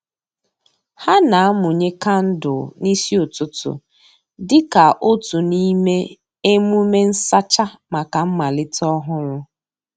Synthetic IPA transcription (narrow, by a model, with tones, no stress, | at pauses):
ha˦na˨a˦mʊ˨ɲe˦ka˦n̩˦dʊ̰˨ni˦si˦o˨tʊ˦tʊ̰˨ | dɪ˦ka˨ʔo˦tu˨ni˦me˦ | e˦mu˦me˦n̩˦sa˦t͡ʃa˦ma˨ka˨m̩˦ma˨lɪ˦tɔ˦ɦʊ˦ɾʊ˦